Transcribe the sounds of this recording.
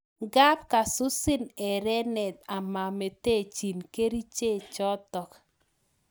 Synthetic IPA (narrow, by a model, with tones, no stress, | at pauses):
ɡa˦p̚ka˨sʊ˦sɪ˦nɛ˨ɾɛ˦nɛ˨t̪a˨ma˨me˨te˦˨t͡ʃi˨nke˦ɾi˦t͡ʃe˦˨t͡ʃɔ˦tɔ˨k